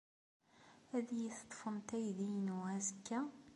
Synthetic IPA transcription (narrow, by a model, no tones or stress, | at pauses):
æðjiθt̪ˤːfəmt̪æjðijnuæzəkːæ